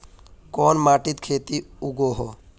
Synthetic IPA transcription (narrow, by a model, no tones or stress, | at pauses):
kɔːnmaːʈit̪kʰeːt̪iuɡoɦɔ